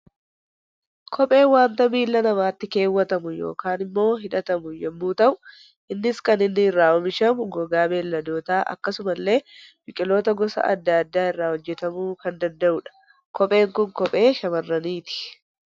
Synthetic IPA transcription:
kʰɔpʼe̞ːwaːnt̪ɐmiːlːɐnɐmaːt̪ːɪke̞ːwːɐt̪ɐmʊjo̞̰ːkaːnɪmːo̞ːɦɪᶑɐt̪ɐmʊjɛmːuːt̪ɐʔʊ | ʔɪnːɪskɐnɪnːɪːrːaːɔmɪʃɐmʊɡɔɡaːbe̞ːlːɐd̪o̞ːt̪aːʔɐ̰kːɐsʊmɐlːe̞ːbɪkʼɪlo̞ːt̪ɐɡɔsɐ̰ʔɐ̰d̪ːad̪ːaːɪrːaːhɔd͡ʒːɛt̪ɐmuːkɐnd̪ɐnd̪ɐʔʊᶑɐ̥ | kɔpʼe̞ːŋkʊŋkɔpʼe̞ːʃɐmɐrːɐniːt̪ɪ̥

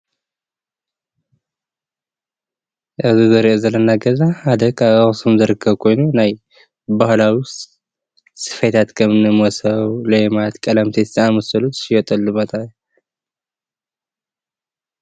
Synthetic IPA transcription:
ʔɨzizɨɾiʔozɐlɐnːaɡəzahad̪ɐkaasɨmzɐɾɨkʰːɐβkʰo̞jnunaj | bahlawist̪ | sɨ̥fet̪ʰat̪kʰəmɨnːɨmɔsɐwlemat̪kʼɐlɐmt̪ʰe̥t̪ːamɐsɨlut̪ɨ̥ʃjɛt̪ʼɐlːɨmɐt̪ʼaj

